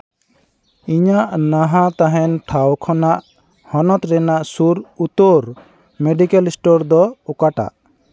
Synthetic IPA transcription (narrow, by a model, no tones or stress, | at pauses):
iɲaʔnaɦãt̪aɦɛnʈʰawkʰɔnaʔ | hɔnɔt̪ɾɛnaʔsuɾut̪oɾ | meɖikɛlsʈɔɾd̪ɔukaʈa̰ʔ